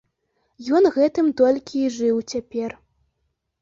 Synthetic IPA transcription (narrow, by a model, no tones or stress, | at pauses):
jɔnɣɛt̪ɨmt̪ɔlʲkʲiːʐɨwt͡sʲapʲɛr